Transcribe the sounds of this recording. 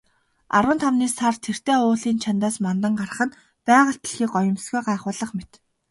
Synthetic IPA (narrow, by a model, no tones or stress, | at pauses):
a̰ɾwə̆ːnt̪ʰawniːsart̪ʰer̥t̪eːʊːɮiːnt͡ɕʰant̪aːsmant̪ə̆ŋɢar̆χə̆n | pæːʁə̆ɬt̪ə̥̆ɮxiːkɔjɞ̆msɡujɢaːχʊːɮə̆χmet̪